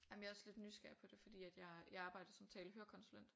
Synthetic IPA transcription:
jæmənjaɒsle̝d̥nysɡ̥æɐ̰pʰɒ̽d̥e̝fɒ̽d̥ḭːæd̥jɑ̈ɪiɑ̈ːb̥ɑ̈ɪ̰d̥ɐsɒ̽mt͡sʰɛːləɦøːɐkʰɒ̽nsulen̰d̥

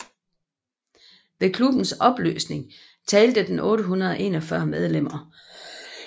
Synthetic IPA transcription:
ʋe̝kʰlub̥n̩sɒ̽b̥lø̰ːsne̝ŋ | t͡sʰɛːld̥əd̥en̩ʔɔ̽ːɾəɦunɐð̞ˠɒʔe̝̰ːnɒ̽fɶɐmeð̞ˠlem̰ɐ

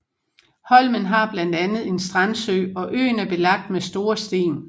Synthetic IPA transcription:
hɒ̽lmənɦɑ̈b̥lænd̥ænð̞̩ˠe̝nsd̥ʁɑnsø̰ɒ̽ʔø̰ːnæɐb̥e̝lɑ̈ɡ̥̚d̥mesd̥o̝ːɐsd̥e̝̰ːn

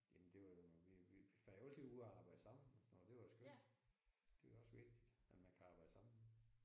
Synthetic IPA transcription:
jæmnd̥e̝ʋɑjoʋiʋiʋifæold̥iuːæɑ̈ːb̥ɑ̈ɪ̰d̥əsɑ̈m̰n̩ɒsɔnɔːðˠlˠd̥e̝ʋɑosɡ̥øl̥ | d̥e̝ɒ̽sʋe̝ɡ̥̚d̥id̥æ̥mænkʰæɑ̈ːb̥ɑ̈ɪd̥əsɑ̈m̰n̩

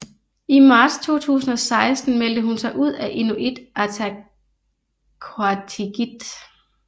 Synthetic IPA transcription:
imɑ̈ːd̥st͡sʰo̝̰ːt͡sʰṵːsn̩ɒ̽sɑ̈ɪsd̥n̩mel̰d̥əɦunsɑ̈ɪʔuð̰ˠæʔe̝nuʔid̥ʔæt͡sʰæ | kʰoat͡sʰiɡ̥id̥

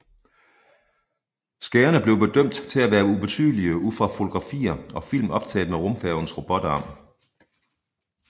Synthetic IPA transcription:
sɡ̥æːɐnəb̥le̝ʊb̥e̝d̥øm̰d̥t͡sʰe̝læʋæːɐub̥e̝t͡sʰy̰ð̰ˠliəuðˠfʁɑ̈fo̝t͡sʰo̝ɡ̥ʁɑ̈fḭːɐɒ̽fil̰m̩ɒ̽b̥t͡sʰɛ̰ːl̩ˠmeʁomfɛʊn̩sʁo̝b̥ɒ̽d̥ɐɒ̽m

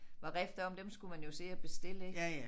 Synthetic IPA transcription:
ʋɑ̈ʁefd̥ɐɒ̽md̥emsɡ̥umænjo̝se̝ːæb̥e̝sd̥e̝l̰ə

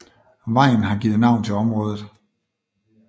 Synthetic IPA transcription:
ʋɑ̈ɪ̰n̩ɦɑ̈ɡ̥iːð̩ˠnɑ̈ʊ̰nt͡sʰe̝ɒ̽mʁɔ̽ːðˠð̩ˠ

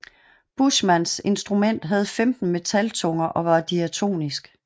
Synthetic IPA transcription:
b̥usmænse̝nsd̥ʁumen̰d̥ɦæð̞̩ˠfemd̥n̩me̝t͡sʰælt͡sʰɔ̽ŋɐʔɒ̽ʋɑ̈d̥iæt͡sʰo̝̰ːnisɡ̥

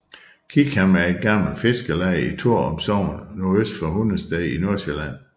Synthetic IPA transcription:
kʰiɡ̥hæmæɐe̝d̥̚ɡ̥ɑ̈m̰l̩fe̝sɡ̥əlɛɪit͡sʰuɐ̰ɒ̽msɒʊ̰nnoøsd̥fɒhun̩sd̥ɛɪino̝ɐselæn̰

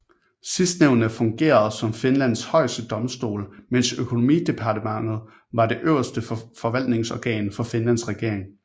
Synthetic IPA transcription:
sisd̥neʊ̰nəfɔ̽ŋɡ̥e̝̰ːɐð̞̩ˠsɒ̽mfe̝nlæn̰shɒ̽ɪ̰sd̥əd̥ɒ̽msd̥o̝̰ːlmen̰søkʰo̝no̝mḭːd̥e̝pʰɑ̈dəmɑ̈ŋ̰ð̞̩ˠ | ʋɑ̈de̝ʔøʊɐsd̥əfɒ̽ʋæl̰d̥ne̝ŋsɒɡ̥ɛ̰ːnfɒ̽fe̝nlæn̰sʁɛɡ̥e̝ɐ̰e̝ŋ

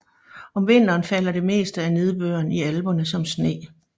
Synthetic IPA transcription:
ɒ̽mʋe̝n̰d̥ɐːnfæl̰ɐd̥e̝me̝̰ːsd̥əæne̝ð̞ˠb̥øːɐniælb̥o̽nəsɒ̽msne̝̰ː

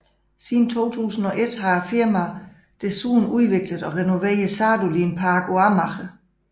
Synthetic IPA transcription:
siðn̩t͡sʰo̝̰ːt͡sʰṵːsn̩ɒ̽ʔe̝d̥ɦɑ̈fiɐmæ | d̥esuːn̩uðˠʋe̝ɡ̥ləð̩ˠɒ̽ʁɛno̝ʋḛːɐðˠsɑːd̥ulinpʰɑːɡ̥oɑmɑχə

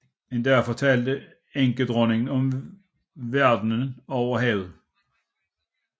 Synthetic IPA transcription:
mendæɐfɒt͡sʰɛld̥ə | eŋɡəd̥ʁɔneŋn̩ɒm | ʋæɐd̥n̩ənɒʊɐɦɛð̩ˠ

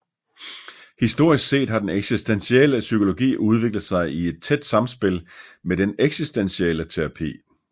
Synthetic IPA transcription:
hisd̥o̝ɐ̰isɡ̥se̝̰ːd̥ɦɑ̈d̥eneɡ̥sisd̥enɕieləsykʰo̝lo̝ɡ̥ḭːʔuð̞ˠʋe̝ɡ̥ləð̩ˠsɑ̈ɪie̝d̥̚t͡sʰed̥sɑ̈msb̥e̝lmed̥eneɡ̥sisd̥enɕielət͡sʰe̝ʁɑ̈pʰḭː

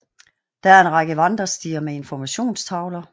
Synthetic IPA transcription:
d̥ææɐe̝nʁɑ̈ɡ̥əʋɑnd̥ʁɐsd̥iːɐmee̝nfɒmæɕo̝̰ːnst͡sʰɑ̈ʊlɐ

